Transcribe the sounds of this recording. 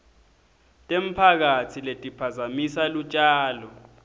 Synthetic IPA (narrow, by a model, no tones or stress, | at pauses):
tʼem̩pʰak̬atʰiletʼipʰazamisalut͡ʃʼaːlɔ